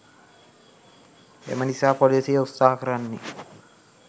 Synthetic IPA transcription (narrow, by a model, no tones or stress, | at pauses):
ḛmənisaːpolisijeusːaːɦɐkəɾanːe